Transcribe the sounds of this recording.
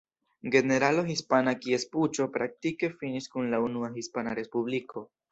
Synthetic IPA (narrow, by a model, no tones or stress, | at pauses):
ɡe̞ne̞ɾalo̞ɦispanakie̞sput͡ʃo̞pɾak̚tike̞finiskunlaunuaɦispanaɾe̞spublikʰo̞